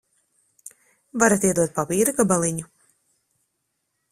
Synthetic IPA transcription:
vaɾat̪iɛd̪uɔt̪̚papiːɾuɡabalˠiɲu

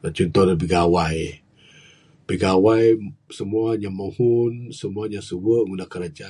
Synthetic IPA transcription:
lat͡ʃɔnt̪ɔhlabiɡawaj | b̥iɡawajsəmuaɲamohunsəmuaɲasəwəʔŋunakəɾad͡ʒa

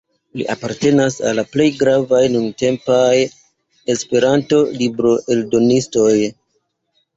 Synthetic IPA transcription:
lḭʔapaɾte̞nasa̰lːaple̞jɡɾavajnunte̞mpaj | e̞spe̞ɾanto̞libɾo̞ʔe̞ldo̞nisto̞j

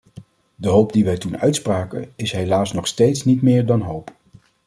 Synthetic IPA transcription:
dəɦowp̚diʋɛjtunœɥtspraːkə̰ɪsɦejlaːsnɔχstejtsnitmɪːɹdɑnɦowp

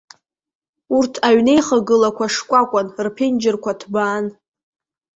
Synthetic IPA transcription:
urtʰaɥne̞jχaɡɨlakʷʰaʂkʷʼakʷʼanrpʰend͡ʒɪrkʷʰatʰbaːn

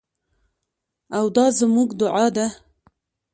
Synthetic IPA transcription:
awd̪ɑːzəmuɡd̪ʊʕɑːd̪a

